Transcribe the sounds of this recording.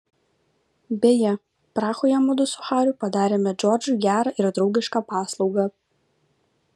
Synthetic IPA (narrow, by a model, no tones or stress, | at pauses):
bʲeːjɛ | pɾɑːxoːjɛmʊd̪ʊsʊxɑːɾʲʊˑpɐd̪ɑːɾʲeːmʲɛd͡ʒʲɔːɾʲd͡ʒʲuːˑɡʲæːɾɐʔɪɾd̪ɾɒʊɡʲɪʃkɑpɑːslˠɒʊɡɑ